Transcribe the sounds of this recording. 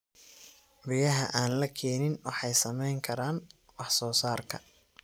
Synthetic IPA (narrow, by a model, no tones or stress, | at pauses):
bɪjɐɦɐʔaːnlɐkʰɛːnɪnwɑħɑjsɐmɛjŋkʰɐɾaːn | wɑħsɔːsaːrkʰɐ̰